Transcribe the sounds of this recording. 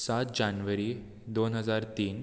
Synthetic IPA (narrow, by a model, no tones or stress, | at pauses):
sat̪d͡ʑanʋəɾiː | d̪onɦəd͡zaɾt̪iːn